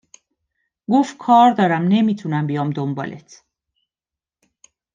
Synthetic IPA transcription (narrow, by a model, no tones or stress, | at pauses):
ɡoft̪̚kʰɒːɾd̪ɒːɾæmne̞miːt̪ʰunæmbijɒːmd̪ombɒ̰ːlʔḛt̪ʰ